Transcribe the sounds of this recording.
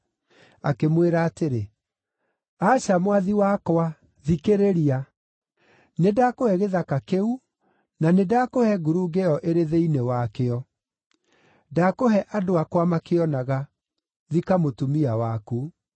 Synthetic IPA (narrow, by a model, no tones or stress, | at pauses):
a̰kemweɾaːteɾe | aːɕamwaðiwakoa | ðikeɾeɾia | nedakohɛɣeðakakeu | nanedaːkohɛɡuɾuɡeɔʔeɾeðeinewakeɔ | dakoɦɛʔadoakwamakeɔnaɣa | ðikamotumiawaku